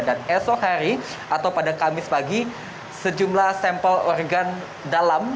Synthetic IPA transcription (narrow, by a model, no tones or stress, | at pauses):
danɛsɔkhaɾi | ʔat̪awpadakamɪspaɡi | səd͡ʒumlahsɛmpəlɔrɡan | dalam